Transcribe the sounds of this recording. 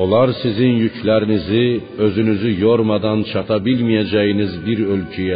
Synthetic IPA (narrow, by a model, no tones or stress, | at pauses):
olˠɑɾsizinjycʰlʲæɾiniziø̞zynyzyjo̞ɾmɑd̪ɑnt͡ʃʰɑt̪ʰɑbilʲmijæd͡ʒæjinizbiɾø̞lʲcʰyjɛ